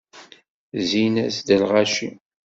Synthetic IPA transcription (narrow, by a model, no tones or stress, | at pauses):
zinæsd̪əlʁaʃi